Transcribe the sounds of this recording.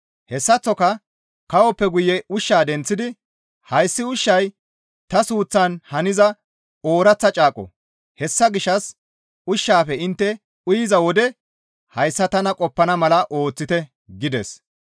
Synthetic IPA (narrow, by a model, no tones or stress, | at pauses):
hɛsːɐt͡sːɔkɐ | kɐwɔpːɛɡʊjɛʊʃːaːd̪ɛnt͡sːɪd̪ɪ | hɐjsːɪʊʃːɐj | t̪ɐsuːt͡sːɐnhɐnɪzɐ | o̞ːɾɐt͡sːɐt͡ʃʼaːkʼːɔ̰ | hɛsːɐɡɪʃːɐs | ʊʃːaːfɛɪnt̪ːɛ | ʊjɪzɐwɔd̪ɛ | hɐjsːɐt̪ɐnɐkʼɔpːɐnɐmɐlɐʔo̞ːt͡sːɪt̪ɛ | ɡɪd̪ɛs